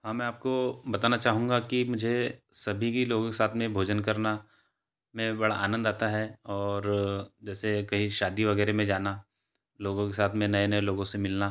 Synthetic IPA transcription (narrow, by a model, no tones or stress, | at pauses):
ɦãmɛ̃aːp̚kobɐt̪aːnat͡ʃaːɦũːŋɡakimʊd͡ʒʱesɐbʱikiloːɡõkesaːt̪ʰmẽbʱoːd͡ʒənkɐɾna | mẽbɐɽa̰ʔa̰ːnə̃nd̪aːt̪aɦɛɔːɾd͡ʒɛːsekɐɦĩʃaːd̪iʋɐɣɛːɾemẽd͡ʒaːna | loːɡõkesaːt̪ʰmẽnɐenɐeloːɡõsemɪlna